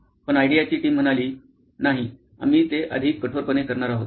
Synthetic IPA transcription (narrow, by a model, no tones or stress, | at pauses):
pəɳajɖijat͡ɕiːʈiːm̤əɽ̃aliː | naɦi | a̰miːt̪eʔə̰d̪ʱiːkːəʈʰoɾpənekəɾɳaɾaɦot̪